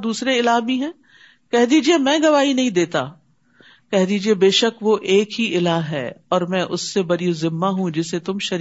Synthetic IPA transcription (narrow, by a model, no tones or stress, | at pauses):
d̪uːsɾeɪlaːɦbiɦɛ̃ː | kɛɦd̪iːd͡ʒiemɛ̃ːɡɐʋaːinɐɦĩd̪eːt̪a̰ː | kɛɦd̪iːd͡ʒiebeːʃəkʋoʔeːkɦiʔɪlaːɦɦɛ̰ːɔːɾmɛ̃ʔʊsːebɐɾijũzɪmːaɦũd͡ʒɪset̪ʊmʃɐɾ